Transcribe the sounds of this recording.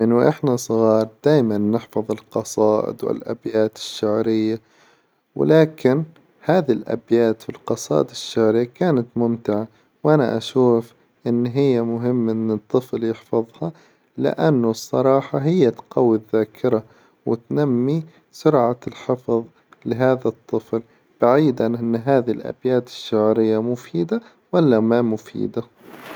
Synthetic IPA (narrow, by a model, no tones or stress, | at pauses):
mɪnʔɪħnasˤɣɑːɾˤd̪̥aːjmanːɪħfɑðˤɨlqɑsˤɑːʔɪ̰d̪wɪ̰lʔa̰bjaːt̪ɪ̥ʃːaʕɾɪjːa | wɪ̰laːkɪn | haːðilʔa̰bjaːt̪filqɑsˤɑ̰ːʔɪd̪ɪʃːaʕɾɪjːakaːnat̪mʊmt̪ɪʕa | wʔana̰ʔaʃuːf | ʔɪnːɦɪjːamʊɦɪmːʔɪnːɨt̪ˤːɨfljɪħfɑðˤhɑ | lɪ̰ʔanːʊsˤːɑɾˤɑːħɑɦɪjːat̪qɑwːɪðːaːkʰɪɾa | wɪ̰t̪namːi | sʊɾʕalħɪfðˤ | lɪɦaːðat̪ˤːɨfl | b̥aʕiːd̪ʕanʔɪnːɦaːðilʔa̰bjaːt̪ɪ̥ʃːaʕɾɪjːamʊfiːd̪a | walːamamʊfḭːd̪a